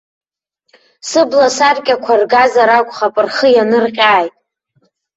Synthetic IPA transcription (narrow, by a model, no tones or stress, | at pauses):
sɨblasarkʲʼakʷʰarɡazaɾakʷʼχapʼɨrχəjanɨrqʲʼaːjtʼ